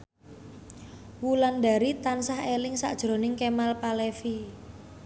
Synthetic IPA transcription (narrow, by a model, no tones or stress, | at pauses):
wuland̪a̤ɾit̪ansahelɪŋsa̰ʔd̥ʒ̥ɾo̤nɪŋkemalpalefi